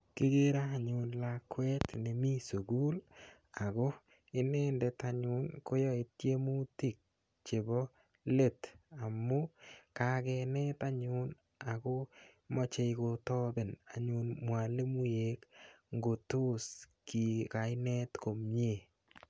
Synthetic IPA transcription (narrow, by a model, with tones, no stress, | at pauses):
kɪ˦ɡe˦ɾaː˦˨ɲʊ˨nlakwɛ˦tne˨mi˦so˨ɡu˦l | a˨ɡo˦ | ɪ˦ne˦ndɛta˨ɲʊ˨nko˦jɔ˦ɪ˨t̚je˦mu˦ti˨k̚ | t͡ʃe˨bɔ˦ | le˦˨ta˨mːʊ˦ka˦kɛnɛ˦ta˦ɲʊn | a˨ko˦mɔ˦t͡ʃe˧jko˨tɔ˦bɪ˨na˨ɲʊ˨nmwa˨le˦mu˦je˦k | ŋɡo˨to˦s | ki˨ka˨ɪ˦nɛ˦tko˨mɲe˦˨